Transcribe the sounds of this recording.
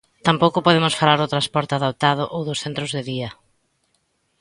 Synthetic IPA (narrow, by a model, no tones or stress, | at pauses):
t̪ampowkʊpoðemʊsfalaɾot̪ɾaspɔɾt̪eaðop̚t̪aðʊʔowðʊsθent̪ɾʊzðɪðiɐ